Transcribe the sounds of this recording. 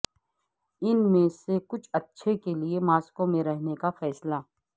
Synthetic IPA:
ɪnmẽsekʊt͡ʃʰɐtːʃʰekeliemaːskõmẽɾɛɦnekafɛːslaː

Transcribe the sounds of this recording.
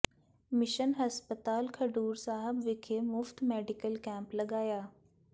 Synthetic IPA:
mɪʃənɦɐspət̪aːlkʰɐɖuːɾsaːɦəbʋɪkʰemʊft̪mɛːɖɪkəlkɛ̃ːmpləɡaːjaː

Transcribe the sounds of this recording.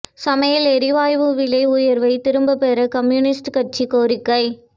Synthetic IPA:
sɐmɐjɐlɛɾɪʋaːjʋɯʋɪlɐɪʊjɐɾʋɐɪt̪ɪɾɯmbɐpɛɾɐkɐmjunɪsʈkɐʈ̚t͡ʃikoːɾɪkːɐɪ

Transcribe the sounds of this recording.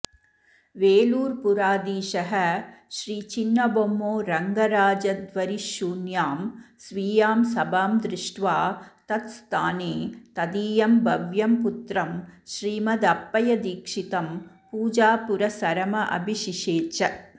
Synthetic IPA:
ʋeːluːɾpuɾaːd̪iːʃɐɦɐʃɾiːt͡ʃinːɐbomːoːɾɐŋɡɐɾaːd͡ʒɐd̪ʋɐɾiʃuːnjaːmsʋiːjaːmsɐbaːmd̪ɾɪʂʈʋaːt̪ɐt̪st̪ʰaːneːt̪ɐd̪iːjɐmbʱɐʋjɐmput̪ɾɐmʃɾiːmɐd̪ɐpːɐjɐd̪iːkʂit̪ɐm | puːd͡ʒaːpuɾɐsɐɾɐmɐʔɐ̰bʱiʃiʂeːt͡ʃɐ

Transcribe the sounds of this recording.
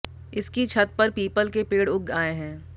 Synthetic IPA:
ɪskit͡ʃʰɐt̪̚pɐɾpiːpəlkepeːɽʊɡaːeɦɛ̃ː

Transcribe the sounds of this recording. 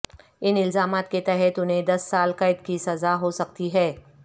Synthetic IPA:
ɪnɪlzaːmaːt̪ket̪ɛɦɛt̪ʊnɦẽd̪ɐsːaːlkɐɪd̪kisɐzaɦosɐk̚t̪iɦɛː

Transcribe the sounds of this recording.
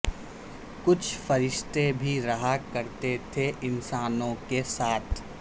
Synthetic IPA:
kʊt͡ʃʰfɐɾɪʃt̪ebʱiɾɐɦakɐɾt̪et̪ʰeʔɪnsaːnõkesaːt̪ʰ

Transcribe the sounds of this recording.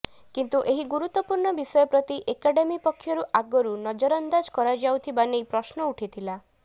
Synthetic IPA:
kint̪uʔeɦiɡuɾut̪ːɔpuɾɳɔbisɔjɔpɾɔt̪iʔekaɖemipɔkʰːjɔɾuʔaɡɔɾunɔd͡ʒɔɾɔnd̪ad͡ʒkɔɾad͡ʒawt̪ʰibanejpɾɔsnɔuʈʰit̪ʰila

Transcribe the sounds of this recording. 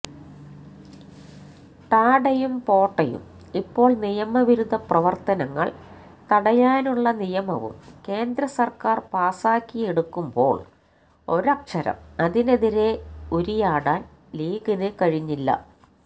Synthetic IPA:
t̪aːɽɐjumpo̞ːʈːɐjṵm | ipːo̞ːɭnijɐmɐʋiɾud̪ɐprɐʋɐrt̪ɐnɐŋːɐ̰ɭ | t̪ɐɽɐjaːnuɭːɐnijɐmɐ̰ʋṵmke̞ːnd̪ɾɐsɐrkaːrpaːsaːkːijeɽukːumbo̞̰ːɭ | o̞ɾɐkʂɐɾɐ̰mɐðine̞ðiɾe̞uɾijaːɽaːn | liːɡinɨkɐɻiɲːilːɐ̰

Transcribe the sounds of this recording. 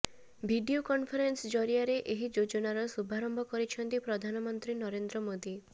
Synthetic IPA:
bʱiɖiokɔnpʰɔɾensd͡ʒɔɾiaɾeʔeɦid͡ʒod͡ʒɔnaɾɔsubʱaɾɔmbʱɔkɔɾit͡ʃʰɔnt̪ipɾɔd̪ʱanɔmɔnt̪ɾinɔɾend̪ɾɔmod̪i

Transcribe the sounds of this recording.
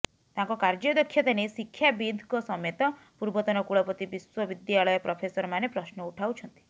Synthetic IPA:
t̪aŋkɔkaɾd͡ʒɔd̪ɔkʰːjɔt̪anesikʰːjabind̪ʱkɔsɔmet̪ɔ | puɾbɔt̪ɔnɔkuɭɔpɔt̪ibiswɔbid̪jaɭɔjɔpɾɔpʰesɔɾɔmanepɾɔsnɔuʈʰawt͡ʃʰɔnt̪i̥

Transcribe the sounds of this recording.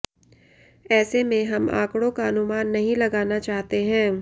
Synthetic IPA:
ɛːsemẽɦɐmã̰ːkɽõkaɐnʊmaːnːɐɦĩlɐɡaːnat͡ʃaːɦt̪eɦɛ̃ː

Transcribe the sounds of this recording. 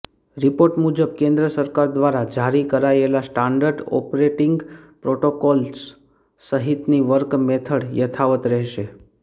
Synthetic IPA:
ɾipoɾʈmud͡ʒəb̚kẽnd̪ɾəsəɾkaɾd̪ʋaɾad͡ʒʱaɾikəɾaelasʈaɳɖəɾɖɔ̰pɾeʈiŋɡpɾoʈokɔls | səɦit̪niʋəɾkmet̪ʰəɽjət̪ʰaʋət̪ɾɛɦʃe

